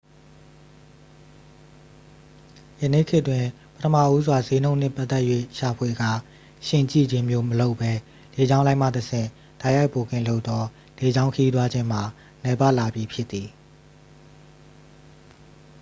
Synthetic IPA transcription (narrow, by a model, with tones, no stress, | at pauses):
jə˨nḛ˦˨kʰɪ˦ʔtwɪ̃˨ | pətʰəma̰˦˨ʔu˦zwa˨ze˦nõ˦ʊ̃n̥ɪ̰̃˦˨pa˦t̪ːɛ˦ʔjwḛ˦˨ʃa˨pʰwe˨ɡa˦˨ | ʃɪ̃˦˨t͡ɕḭ˦˨d͡ʑɪ̃˦mjo˦məlo˦ʊpːɛ˦ | le˨d͡ʑã˦ʊ̃lã˦ɪm̥a̰˦˨təsʰɪ̰̃˦˨ | d̥a˦ɪja˦ɪʔpo˨kɪ̰̃˦˨lo˦ʊt̪ɔ˦ | le˨d͡ʑã˦ʊ̃ŋkʰə˦ji˦t̪wa˦d͡ʑɪ̃˦m̥a˨ | nɛ˨˦pa˦ʔla˨bji˨pʰjɪ˦t̪ːi˨